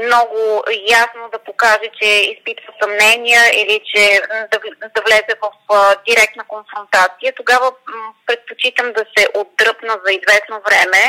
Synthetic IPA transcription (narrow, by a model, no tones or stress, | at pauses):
mnɔɡʊjasnod̪ɐpokaʒɛt͡ʃɛispit̪vəsɐmnɛnijəilit͡ʃɛd̪ɐd̪ɐvlɛzɛvɐfd̪iɾɛk̚t̪nəkonfɾont̪at̪sijət̪oɡavəpɾɛt̪̚pot͡ʃit̪əmd̪ɐsɛʔod̪ɾɤpnəzɐizvɛsnovɾɛmɛ